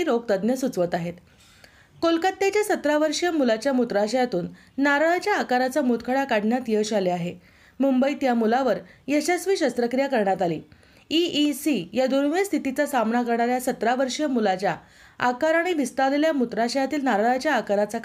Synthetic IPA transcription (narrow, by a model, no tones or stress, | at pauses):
iɾoɡt̪əd̪njəsut͡sʋət̪aɦet̪ | kolkət̪ːat͡ɕjasət̪ɾaʋəɾʂjəmulat͡ɕjamut̪ɾaɕəjat̪uːnː | aɾaɭat͡ɕjaːkaɾat͡samut̪kʰəɽakaɽʱɳjat̪jəɕaleaɦe | mumbəiːt̪jamulaʋəɾjəɕasʋiːɕəst̪ɾəkɾijakəɾɳjat̪alḭː | iisijad̪onʋest̪ʰit̪it͡sasamnakəɾɳaɾjasət̪ɾaʋəɾʂjəmulat͡ɕja | akaɾaɽ̃iʋist̪aleljamut̪ɾaɕəjat̪iːlnaɾaɭat͡ɕjaːkaɾat͡sa